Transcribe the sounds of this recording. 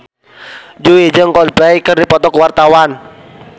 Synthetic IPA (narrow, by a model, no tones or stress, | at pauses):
d͡ʒuwid͡ʒəŋkɔlblaikərdipɔt̪ɔkwart̪awan